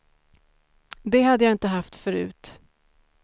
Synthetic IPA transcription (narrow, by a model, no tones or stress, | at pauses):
d̪ɛɦad̪ːəjaɪnt̪əɦaft̪fœɾʉ̟̰ːt̪